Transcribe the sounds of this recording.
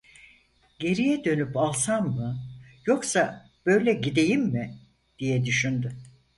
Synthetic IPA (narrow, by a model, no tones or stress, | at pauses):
ɟe̞ɾijɛd̪ø̞nypalˠsammɯjo̞ksa | b̥ø̞jlʲɛɟid̪e̞jimːɪ | d̪̥ijɛd̪yʃynd̪y